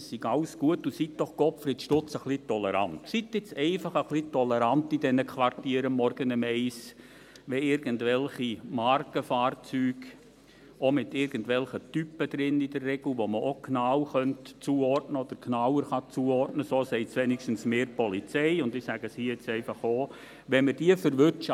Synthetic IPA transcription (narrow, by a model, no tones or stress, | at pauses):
ssiɡɑlsɡ̥uətːusit̚d̥ɔχɡ̥ɔpfɾitʃtʊt͡səχlitɔlɛɾɑ̰ntsitɪt͡sɛɪfɑχəχlitɔlɛɾɑntidɛnəkʰʋɑrtiːɾəmːɔɾɡənɪmɛɪs | ʋɛɪɾɡəntʋɛlχimɑrkəfaːrt͡syːɡ | omɪtɪɾɡ̥ən̩tʋɛlχətypːəd̪̥ɾɪnidərːɛɡ̥l̩ʋoməʔoknɑwχœntt͡suːɔrtnəɔd̥əɾknɑwəɾχɑt͡suːəɔrtnəsoːsɛɪtt͡sʋɛnikʃtn̩smeːɾpɔlit͡sɛɪʊndɪsæɡəsiɪt͡sɛɪfɑχoː | ʋɛməɾd̥iəfəɾʋʏɾtt͡ʃ